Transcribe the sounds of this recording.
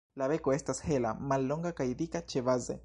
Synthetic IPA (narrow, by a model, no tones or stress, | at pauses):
laβe̞koe̞stashela̰malːo̞ŋɡakajdikat͡ʃeβaze